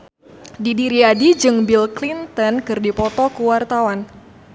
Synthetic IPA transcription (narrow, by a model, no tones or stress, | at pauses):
didiɾiadid͡ʒɨŋbilklint̪ənkɨrdipɔt̪ɔkuwart̪awan